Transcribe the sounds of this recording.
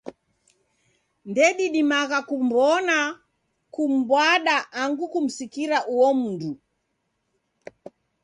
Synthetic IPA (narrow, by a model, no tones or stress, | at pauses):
ndɛɗiɗimaɣakum̩bɔna | kum̩bwaɗaʔːŋɡukum̩sikiɾaʔuwɔm̩ndu